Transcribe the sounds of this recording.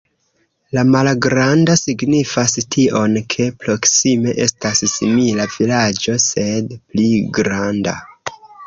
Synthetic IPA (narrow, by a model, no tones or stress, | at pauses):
lamalɡɾandosiɡnifastʰiʔo̞nkʰe̞pɾo̞ksime̞ʔe̞stassimilavilad͡ʒo̞se̞dpliɡɾanda̰